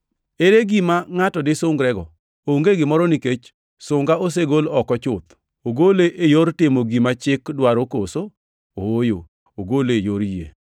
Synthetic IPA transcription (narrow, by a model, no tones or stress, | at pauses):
eɾeɡimaŋatɔdɪsʊŋɡɾɛɡɔ̰ | oŋɡeɡɪmɔɾɔniket͡ʃ | sʊŋɡaos̬eɡolɔkɔt͡ʃʊt̪ | oɡoleʔejoɾtɪmoɡimat͡ʃɪkdwaɾokoso | ojo | oɡolejoɾjḛ